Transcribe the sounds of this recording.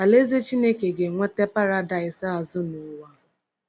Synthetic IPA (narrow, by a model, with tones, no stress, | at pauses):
a˨le˦ze˦t͡ʃi˦ne˦ke˨ɡe˨ŋʷe˦te˦pa˦ɾa˦da˨ɪ˨sa˦a˨zʊ˦nʊ˨˦wa˦